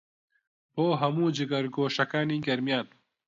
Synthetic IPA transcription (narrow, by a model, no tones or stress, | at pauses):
poːɦɐmuːd͡ʒɪɡɐɾɡoːʃɐkaːniːɡɐɾmijaːn